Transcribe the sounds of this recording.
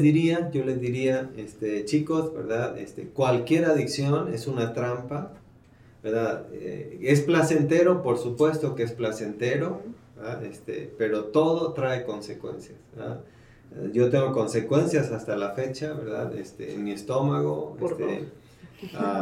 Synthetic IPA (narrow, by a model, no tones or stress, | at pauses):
d̪iɾiaʝo̞le̞zðiɾiaest̪et͡ʃiko̞sbe̞̰ɾðaðḛst̪ḛkwalkje̞ɾaðiksjo̞ne̞sunat̪ɾampa | beɾðaðḛesplase̞nt̪e̞ɾo̞po̞ɾsupwe̞st̪o̞keesplase̞nt̪e̞ɾo̞bbɾðaest̪ḛpe̞ɾo̞t̪o̞ð̞o̞t̪ɾae̞ko̞nse̞kwe̞̰nsjasa̰ | ʝo̞t̪eŋɡoko̞nse̞kwe̞nsjasast̪alafe̞t͡ʃaβe̞ɾða̰ðḛst̪ḛːnmiest̪o̞maɣo̰ḛst̪ḛ | a